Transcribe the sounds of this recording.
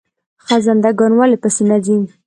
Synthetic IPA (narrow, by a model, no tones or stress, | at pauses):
xazand̪aɡɔnwalepəsinad͡ʒin